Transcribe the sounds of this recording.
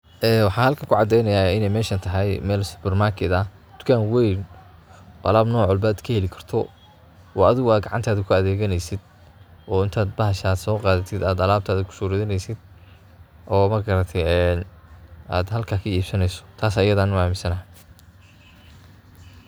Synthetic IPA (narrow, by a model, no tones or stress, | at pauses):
ʔɛːwɑħɑːhɐlkʰɐkʰʊʕɑd̪ɛjnɐjaːɪnɛjmɛːʃɐnt̪ʰɐɦɛjmɛːlsʊ̥pʰɛrmakʰɪd̪ɐ | d̪̥ʊ̥kʰaːnwɛjn | bɐ̰laːbnɔːʕɔlbaːd̪kʰɐhɛlɪkʰɐ̥rt̪ʰɔ | ɔːɐðɪɣʊaːd̪̚ɡɑʕɑnt̪ʰaːðɐkʰʊɐðɛːɣɐnɛjsɪd̪ | ʔɔːɪnt̪ʰaːd̪bɐhɐʃaːd̪sɔːqɑːðɐt̪ʰɪd̪aːd̪ɐlaːb̥̚t̪ʰaːðɐkʰʊ̥suːɾɪðɪnɛjsɪd̪̥ | ʔɔːmɐɡɐɾɐt̪ʰɛɛnaːd̪hɐlkʰaːkʰɐiːb̥sɐnɛjsɔ̥t̪ʰaːsajɐðaːnʊaːmɪnsɐnɐɦɐ